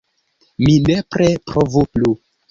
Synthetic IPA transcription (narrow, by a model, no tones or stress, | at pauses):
minepɾepɾovuplu